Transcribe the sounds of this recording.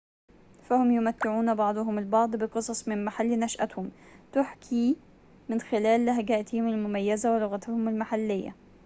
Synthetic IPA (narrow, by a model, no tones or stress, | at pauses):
fæhʊmjʊmæt̪ːɪʕuːnbɑʕd̪ˤʊɦʊmɪlbɑʕd̪ˤbɪqɨsˤɑsˤmɪnmaħalːnæʃʔæt̪hʊm | t̪ʊħkʰi | mɪnxɪlæːlːhæɡæʔt̪ɪhɪmɪlmʊmæjːæzæwelʊɣæt̪ʊhʊmɪlmaħalːɪjːæ̰